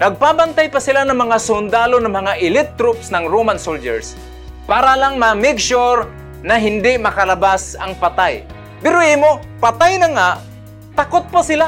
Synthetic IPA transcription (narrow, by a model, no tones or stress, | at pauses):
nɐɡ̚pabant̪ajpasɪlanɐŋmɐŋasʊnd̪aːlonaŋmɐŋaʔɪlɪt̚t̪ːɾʊpsnɐŋɾoːmansold͡ʒɛ̰ɹs | paːɾalaŋmɐmɪɡsoɾ | nɐɦɪnd̪ɪmɐkalabasɐŋpat̪aj | pɛɾoiːmo | pat̪ajnaŋaʔ | t̪akʊt̪̚pasɪla